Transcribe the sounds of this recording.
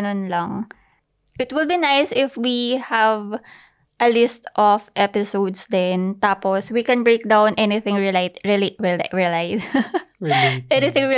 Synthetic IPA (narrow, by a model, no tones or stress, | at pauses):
nonlaŋ | ʔɪt̪wɪlbinajsɪfwihav | ʔɐlɪst̪ʔɔfʔɛpɪsowd̪sd̪ɛnt̪aːposwikɛ̃nbɹejk̚d̪awnʔɛnɪθɪ̃ŋɹilat̪ɹiliɹilaɪs | ʔɛnɪθɪ̃ŋɹi